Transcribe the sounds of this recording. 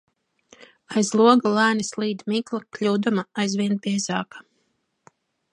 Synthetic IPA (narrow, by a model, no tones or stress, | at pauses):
ajzlˠuɔɡalˠæːnislˠiːd̪miklˠaklʲuːd̪umaajzvʲiɛnbʲiɛzɑːkḁ